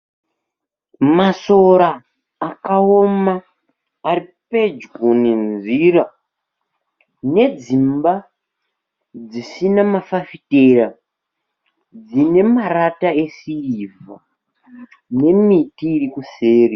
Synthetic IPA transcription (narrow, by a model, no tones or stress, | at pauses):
maso̞ɾaː | kaomaː | ripe̞d͡ʒɡoninziɾa | ne̞d͡zimba | d͡zisinamafafitera | d͡zine̞maratae̞siiva | ne̞mitiːɾikuse̞ːri